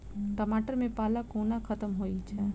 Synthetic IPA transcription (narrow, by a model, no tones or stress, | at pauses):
ʈəmaʈəɾmẽpaːlakoːnakʰət̪əmɦoit͡ʃʰɛ